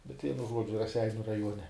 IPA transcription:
bʲɛt ˈʋʲiɛnʊ ˈʒuɔd͡ʒʲʊ rɐˈsʲɛɪnʲʊ rɐˈjuɔnʲɛ

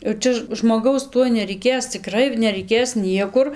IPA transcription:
jɛʊ ˈt͡ʃʲɛ ʒmoːˈɡɐʊs ˈtuɔj nʲɛrʲɛɪˈkʲeːs t͡sʲɪˈkrɐɪ nʲɛrʲɛɪˈkʲeːs ˈnʲiɛkʊr

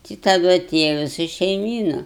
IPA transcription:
tɐɪ tɐˈdʊ ɐˈtʲeːjɛ ʋʲɪˈsɐ ʃʲɛɪˈmʲiːnɐ

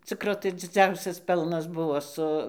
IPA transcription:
ˈt͡sʲɪkroː tɐɪ d͡zʲɪˈd͡zʲɛʊsʲɛs ˈpʲɛlˠnɐs ˈbʊʋoː sʊ

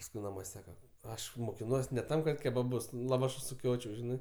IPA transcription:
pɐsˈkʊɪ nɐˈmuɔsʲ ˈsɑːkɐ ˈɐʃ moːkʲɪˈnuɔs nʲɛ ˈtɐm kɐt kʲɛbɐˈbʊs lˠɐˈʋɑːʃʊs sʊˈkʲoːt͡ʃʲɛʊ ˈʒʲɪnɜ

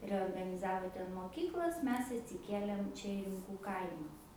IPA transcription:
rʲɛoːrɡɐnʲɪˈzɑːʋoː ˈtʲɛn moːˈkʲiːklˠɐs ˈmʲɛs ɐtʲsʲɪˈkʲeːlʲeːm ˈt͡ʃʲɛ ɪ rʲɪmˈkuː ˈkɐɪmɐ

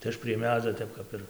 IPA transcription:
tɐɪ ˈɐʃ pʲrʲiɛ ˈmʲæːd͡zʲoː ˈtʲɛp kɐp ɪr

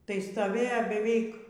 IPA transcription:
tɐɪ stoːˈʋʲeːjoː bʲɛˈʋʲɛɪk

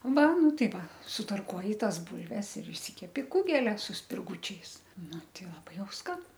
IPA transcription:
ˈʋɐ ˈnʊ ˈtɐɪ ˈʋɐ sʊtɐrˈkuɔjɪ ˈtɐs ˈbʊlʲʋʲɛs ɪr ɪʃʲˈsʲɪkʲɛpʲtʲɪ ˈkʊɡʲɛlʲɛ sʊ sʲpʲɪrˈɡʊt͡ʃʲɛɪs ˈnʊ ˈtʲɛɪ lˠɐˈbɐɪ ˈjɛʊ ˈskɐn

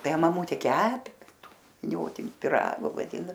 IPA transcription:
ˈtɐɪ mɐˈmʊtʲeː ˈkʲæːpʲɪ ˈtuː ʋʲɪˈnʲoːtʲɪnʲɪ pʲɪˈrɑːɡoː ʋɐˈdʲɪnoː

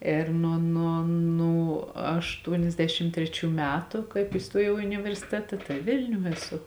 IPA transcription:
eːr ˈnuɔ ˈnuɔ ˈnuː ɐʃˈtuɔnʲɛzʲˌdʲæːʃʲɪm ˈtʲrʲæːˌt͡ʃʲuː ˈmʲæːtʊ ˈkɐɪp iːˈstuɔjɛʊ ɪ ʊnʲɪʋʲɛrʲsʲɪˈtʲæːtɐ ˈtɐɪ ˈʋʲɪlʲnʲuː ɛˈsʊ

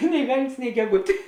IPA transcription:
nʲɪ ˈʋʲɛlʲnʲsʲ nʲɪ ɡʲɛˈɡʊtʲeː

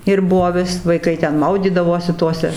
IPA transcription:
ɪr ˈbuɔ ˈʋʲɪs ʋɐɪˈkɐɪ ˈtʲɛn ˈmɐʊdʲiːdɐʋoːsʲɪ ˈtoːsʲɛ

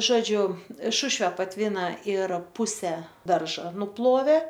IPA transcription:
ˈʒoːd͡ʒʲʊ ˈʃʊʃʲʋʲɛ pɐtʲˈʋʲiːnɐ ɪr ˈpʊsʲɛ ˈdɐrʒɐ nʊˈplˠoːʋʲeː

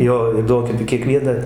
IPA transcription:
ˈjoː iː ˈduɔŋʲkʲɛpʲɪ kʲiɛˈkʋʲiɛnɐ

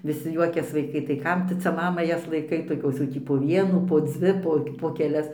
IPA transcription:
ʋʲɪˈsʲɪ ˈjuɔkʲɛs ʋɐɪˈkɐɪ tɐɪ ˈkɐm tʊ ˈt͡sʲɛ ˈmɑːmɐ ˈjɛs lˠɐɪˈkɐɪ toːˈkʲoːs jɛʊ ˈtʲiː poː ˈʋʲiɛnuː poː ˈd͡zʲʋʲɪ poː poː kʲɛˈlʲɛs poː kʲɛˈlʲɛs

